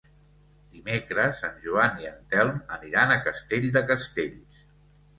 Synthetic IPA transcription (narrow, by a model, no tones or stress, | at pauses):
d̪imekɾəzənʲʒuaniənt̪ɛlˠməniɾanəkəst̪eʎzd̪əkəst̪eʎs